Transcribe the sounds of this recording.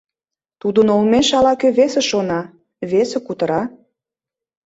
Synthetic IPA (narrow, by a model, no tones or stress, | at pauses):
t̪ud̪ənolmeʃɑlɑkøβesĕʃonɑ | βesĕkut̪ə̆ɾɑ